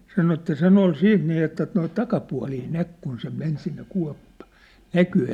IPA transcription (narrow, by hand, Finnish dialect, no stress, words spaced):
sɑno etːæ sen ol siːt niˑ etːæ noit tɑkɑpuɑ̝liː næk kun se men sinːe kuɑ̝pːɑ̝ næky